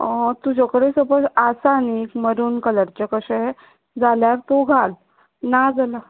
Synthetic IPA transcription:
t̪ud͡ʑɔkəɽesəpəɾasanikməɾuːnkələɾt͡ɕəkəɕəɦɛ | d͡zaljaɾt̪oɡʱal | nad͡zala

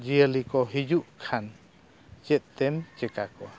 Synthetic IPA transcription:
d͡ʒiəlikɔɦid͡ʒuʔkʰan | t͡ʃɛt̪̚t̪ɛmt͡ʃɛkakɔ

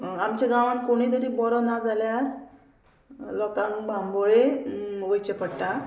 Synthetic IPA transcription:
amt͡ɕaɡãʋãnkoɽ̃iːt̪əɾibɔɾɔnad͡zʱaljaɾ | lɔkãŋbamboɭeʋəjt͡ɕepəɽʈa

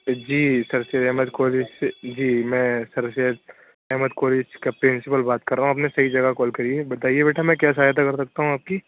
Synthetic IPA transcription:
d͡ʒiːsɐɾsed̪ɛɦməd̪koːlɪd͡ʒsed͡ʒiːmɛ̃ːsɐɾʃed̪ | ɛɦməd̪koːlɪd͡ʒkapɾɪnsɪpəlbaːt̪kɐɾːaːɦũɐpnesɐɦid͡ʒɐɡakɔːlkɐɾiebɐt̪aːiebeːʈʰamɛ̃kjaːsaːjt̪̬akɐɾsɐk̚t̪aɦũaːp̚ki

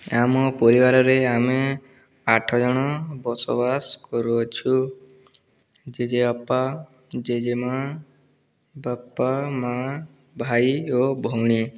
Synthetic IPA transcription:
amɔpɔɾibaɾɔɾeame | aʈʰɔd͡ʒɔɽ̃ɔbɔsɔ̰baskɔɾuɔt͡ʃʰu | d͡ʒed͡ʒeɔpːa | d͡ʒed͡ʒema | bapːama | bʱajobʱɔwɽ̃i

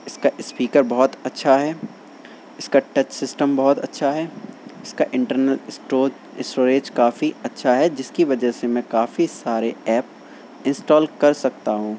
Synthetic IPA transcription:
ɪskaʔɪspiːkəɾbɐɦɔt̪ɐtːʃʰaɦɛː | ɪskaʈɐt͡ʃsɪsʈəmbɐɦɔt̪ɐ̰tːʃʰaɦɛɪskaʔɪ̃ɳʈəɾnəlo | ɪsʈoːɾeːd͡ʒkaːfiɐtːʃʰaɦɛd͡ʒɪskiʋɐd͡ʒɛɦsemɛ̃kaːfisaːɾeɛːp̚ | ɪ̃nsʈɔːlkɐɾsɐk̚t̪aɦũː

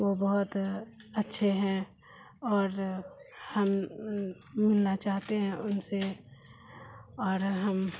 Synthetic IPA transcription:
ʋobɔɦʊt̪ɐtːʃʰeɦɛ̃ | ɔːɾ | hɐmː | ɪlnat͡ʃaːɦt̪eɦɛ̃ʊnse | ɔːɾɦɐm

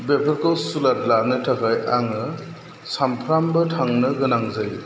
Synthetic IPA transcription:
bepʰaɾkʰowsulatlaɾnɯtʰakʰajʔaŋɯ | sampʰɾambɐtʰaŋnɯɡɯnaŋzaj

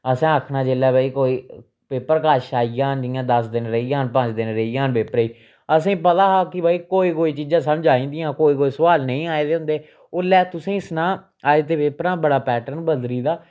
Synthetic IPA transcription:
əsẽːəkʰnaːd͡ʒeːlɛːbaːiːkoːiː | peːpːəɾkaːʃaːijãːnd͡ʒɪjãːd̪əsd̪ɪnɾəijãːnpə̃t͡ʃd̪ɪnɾəijãːnpeːpəɾiː | əsẽːpət̪aːɦaːkɪbaːiːkoːiːkoːiːt͡ʃiːd͡ʒãːsəmd͡ʒaːĩːnd̪ijãːkoːiːkoːiːsəʋaːlnəĩːaːeːd̪eːɦʊ̃nd̪eː | oːlɛːt̪ʊsẽːɪsnãː | aːeːt̪eːpeːpɾãːbəɽaːpɛːʈəɾnbəld̪ɾiːd̪aː

